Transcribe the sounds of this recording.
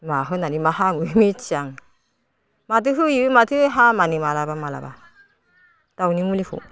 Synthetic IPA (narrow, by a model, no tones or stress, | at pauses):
maɦɯnanimaɦamɯmit͡ʃaŋ | mat̬ɯɦɯjimatʰɯɦamanimalabamala̰ba̰ | tawnimulifṵ